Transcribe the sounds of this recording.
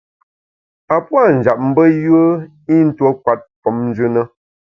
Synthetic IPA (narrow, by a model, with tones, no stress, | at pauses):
a˨pwa˦˨n̩˨d͡ʒa˨p̚m̩˦bə˦jə˦ | i˦n̩˦two˦kwa˨˦t̚fɔ˨˦mn̩˦d͡ʒʉ˦nə˦